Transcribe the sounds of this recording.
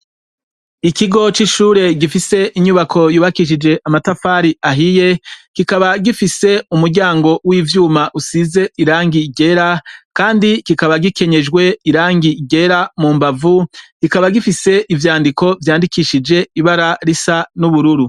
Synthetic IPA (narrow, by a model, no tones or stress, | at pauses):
ikiɡo̞t͡ʃiʃuːɾe̞ɡifise̞ʔiɲuβakʰo̞juːβakiʃ̬id͡ʒe̞ʔamatafaːɾiaɦije̞kikaβaɡifise̞umuɾɟaːŋɡo̞wiːvjuːmaʔusize̞iɾaːŋɡiɟe̞ɾakaːndikikaβaɡike̞ɲe̞d͡ʒɡwe̞iɾaːŋɡiɟe̞ɾamuːmbavukikaβaɡifise̞ʔivjaːndikʰo̞vjaːndikiʃid͡ʒe̞iβaɾaɾisanuβuɾuɾu